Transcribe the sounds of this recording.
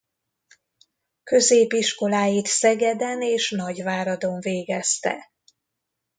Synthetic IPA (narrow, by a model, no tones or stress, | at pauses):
kø̞zeːpiʃko̞laːjit̪sɛɡɛd̪ɛneːʃnɒɟvaːɾɒd̪o̞ɱveːɡɛst̪ɛ̰